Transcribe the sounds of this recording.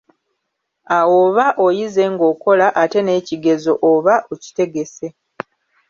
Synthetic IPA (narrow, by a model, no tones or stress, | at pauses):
awoβaʔojize̞ŋɡo̞ko̞laʔate̞ne̞ːciɡe̞zo̞ʔoβaʔoci̥te̞ɡe̞se̞